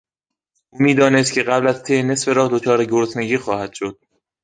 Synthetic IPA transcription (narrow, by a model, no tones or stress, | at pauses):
ʔuːmiːd̪ɒːnes̬t̪̚cʰʲe̞ɢæblæzt̪ʰene̞sfe̞ɾɒːhd̪ot͡ʃʰɒːɾeɡoɾt̪ʰneɟiːxɒːhæd̪̥ʃo̞d̪̥̚